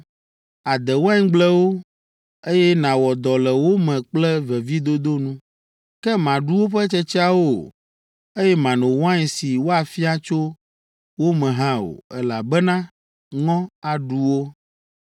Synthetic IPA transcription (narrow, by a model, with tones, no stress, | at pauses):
a˨d̪ɛ˨wa˦ŋ˦ɡ͡blɛ˦wo˦ | e˦jɛ˦nã˨wɔ˨d̪ɔ˨lɛ˨wo˦mɛ̃˨k͡plɛ˦vɛ˨vi˦d̪o˦d̪o˦nũ˦ | kɛ˦mã˨ɖu˦wo˦ɸɛ˦t͡ʃɛ˦t͡ʃi˦a˦wo˦˨ | e˦jɛ˦mã˨nõ˨wɔ˦ã˦ɛ˨si˨wo˦a˨fi˦a˦t͡ʃo˦ | wo˦mɛ̃˨ɦã˦o̰˨ɛ˦la˨bɛ˦nã˦ | ŋɔ̃˦a˨ɖu˦wo˦